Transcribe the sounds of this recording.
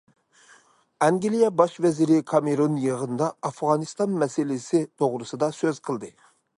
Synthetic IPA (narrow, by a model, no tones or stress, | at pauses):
ɑŋɡʲilijɛbɑʃvɛzɪɾɪkʰɑmeɾonjəʁənd̪ɑɑfʁɑnɨst̪ɑnmɛsɪlɪsɪt̪ʰoʁɾɨsɨd̪ɑsøzqʰəlˠd̪ɨ